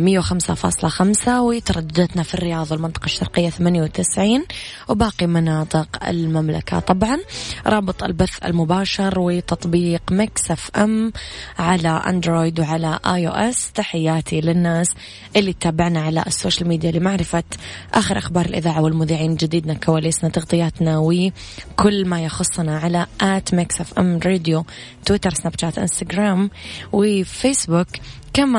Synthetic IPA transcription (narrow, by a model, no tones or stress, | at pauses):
mɪjːawxamsa̰fɑ̰ːsˤlɑxamsawɪt̪ɑɾˤɑd̪ːad̪at̪nafirːɪjɑːðˤɑwɪlmɪnt̪ɑ̥qɑʃːɑ̰ɾˤqɪjːaθamaːnjawt̪ɪsʕiːn | wbaːqimɑnɑːt̪ˤɨqɪ̰lmamla̰kʰa̰t̪ˤɑbʕɑnɾˤɑːbɨt̪ˤɪ̰lbaθːɪ̰lmʊbaːʃɑɾwɪt̪ɑt̪ˤbiːqmaksafʔɛmʕalaʔa̰nd̪ɾoːjd̪wʕalaʔaːjo̰ːʔɛst̪aħɪjːaːt̪ʰilɪnːaːs | ʔɪlːit̪ːaːbɪʕnaʕala̰ʔɪsːoːʃalmiːd̪jalːimaʕɾɪfat̪ʔaːxɪɾʔaxbɑːɾˤɪlʔɪðaːʕawɪlmʊðiːʕiːnd͡ʒɪd̪iːd̪nakawaːlisnat̪ɑɣt̪ˤɨjaːt̪nawɪ | kʊlːmajɑxʊsˤːnaʕalaʔaːt̪maksʔafʔa̰mɾeːd̪jo | t̪wɪt̪ɑɾˤsnabt͡ʃaːt̪ʔɪ̰nst̪aɡɾaːmwɪfeːsbʊkːama